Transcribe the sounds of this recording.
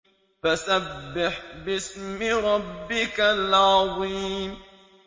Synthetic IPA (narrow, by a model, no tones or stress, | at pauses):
fasabbːɪħbɪsmɪɾˤɑbːɪkalʕɑðˤiːm